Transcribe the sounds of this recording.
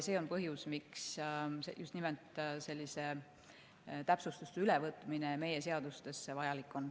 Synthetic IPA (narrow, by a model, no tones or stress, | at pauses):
se̞ːo̞npɤɦjusmiksejust̪nimelt̪ˑse̞lʲːise̞ | t̪æpsust̪ust̪eylevɤt̪ːˑmine̞me̞je̞se̞ɑd̪̥ust̪e̞sevɑjɑlikːˑo̞n